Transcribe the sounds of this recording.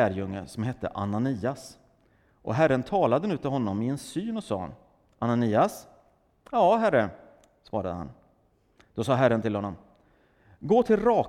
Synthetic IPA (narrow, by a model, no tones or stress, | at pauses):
æːɾjɵŋːəsɔmɦɛt̪ːə̰ʔa̰naniːas | ʔɔ̰ɦæɾːənt̪ʰɑːlad̪ənʉ̟ːt̪ʰɪlɦɔnːɔmɪɛnsyːnɔsɑ̰ːn | ʔananiːas | jɑːɦæɾə | svɑ̰ːɾad̪əha̰n | d̪̥ɔsɑːɦæɾːənt̪ʰɪlhɔnːɔm | ɡoːt̪ʰɪlɾɑː